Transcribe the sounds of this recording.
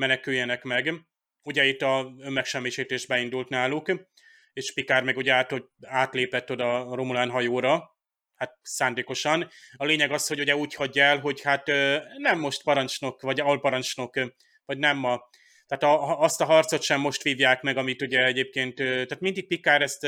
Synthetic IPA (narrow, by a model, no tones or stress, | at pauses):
mɛnɛkyjːɛnɛkmɛɡ | uɟɛit̪ːɒømːɛkʃɛmːiːʃiːt̪eːʒbɛind̪ult̪naːluk | eːʃpikaːrmɛɡuɟɛaːt̪o | aːt̪leːpɛt̪ːo̞d̪ɒromulaːnɦɒjoːɾɒ | hat̪̚saːnd̪eːko̞ʃɒnɒleːɲɛɡɒsho̞ɟuɟɛuːchɒɟːɛlɦo̞ɟhat̪ːnɛmːo̞ʃt̪pɒɾɒnt͡ʃno̞kvɒɟɒlpɒɾɒnt͡ʃno̞k | vɒɟnɛmːɒ | t̪ɛaːt̪ɒːst̪ɒɦɒrt̪so̞t̪ʃɛmːo̞ʃt̪ʋiːvjaːkmɛɡɒmit̪uɟɛɛɟeːp̚keːnt̪t̪ɛaːt̪mind̪ik̚pikaːɾɛst̪